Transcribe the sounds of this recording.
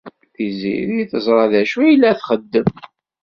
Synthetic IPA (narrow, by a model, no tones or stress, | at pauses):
θizḭɾiθəzˤɾˤɑðæʃujəlːæθχəd̪ːəm